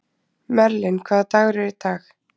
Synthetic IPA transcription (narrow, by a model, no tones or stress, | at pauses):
mɛɾlɪnkʰvaːðat̪aːɣɾɪɾɪt̪aːx